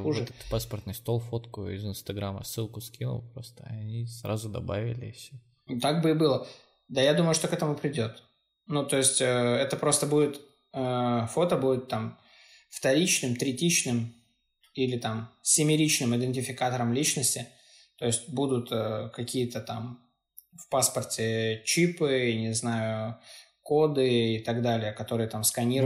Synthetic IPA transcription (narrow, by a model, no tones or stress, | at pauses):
vxuʐɨt̪ɛt̪paspərt̪nʊjst̪o̞lˠfot̪kʊɪ̰zɨnst̪ɐɡɾamə̰sːɨlˠkʊskʲinʊ̰lˠpɾo̞̰st̪əɐɐnʲisɾa̰zʊd̪ɐ̰ba̰vʲɪ̰lʲɪfsʲo | t̪aɡ̚bɨɪbɨlˠə | d̪ajad̪uməjʊʂt̪o̞kɛt̪əmʊpɾʲɪdʲo̞t̪ | nut̪o̞ɪsʲtʲəɛt̪əpɾo̞st̪əbudʲɪt̪ | əfo̞t̪əbudʲɪt̪ːam | ft̪ɐɾʲit͡ɕnɨmt̪ɾʲɪtʲit͡ɕnɨm | ilʲɪt̪amsʲɪmʲɪɾʲit͡ɕnɨmɪd̪ʲɨnʲtʲɪfʲɪkat̪əɾəmlʲit͡ɕnəsʲtʲɪ | t̪o̞ɪsʲtʲbud̪ʊt̪əkɐkʲijət̪ət̪am | fpaspərtʲɪt͡ɕipɨnʲɪznajʊ | ko̞d̪ɨɪt̪ɐɡd̪alʲɪjəkɐt̪o̞ɾɨjət̪amskɐnʲiɾ